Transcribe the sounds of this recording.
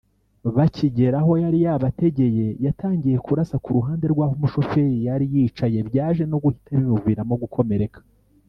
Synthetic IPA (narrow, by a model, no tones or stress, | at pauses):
βaciɟe̞ɾaɦo̞jaɾijaβate̞ɟe̞je̞jataːɲɟije̞kuɾasakuɾuɦaːnde̞ɾɡwaːhomuʃo̞fe̞jijaɾijiːt͡ʃaje̞βjaːʒe̞no̞ɡuhi̥taβimuviːɾamoɡukʰo̞me̞ɾe̞kḁ